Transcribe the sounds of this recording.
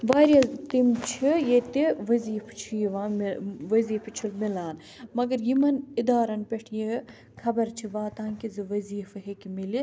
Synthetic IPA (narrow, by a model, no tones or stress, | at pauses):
ʋaːɾjɐt̪imt͡ʃʰijet̪iʋɐziːft͡ʃʰijiʋaːʋɐziːft͡ʃʰulmilaːn | mɐɡɐɾjimɐnid̪aːɾɐnpʲeʈʰje | kʰɐbɐɾt͡ʃʰiʋaːt̪ãːnkizɨʋɐziːfɐɦekimili